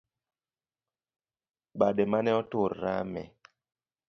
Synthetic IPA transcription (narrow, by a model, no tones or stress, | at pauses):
badɛmanɛɔtʊɾːa̰mɛ̰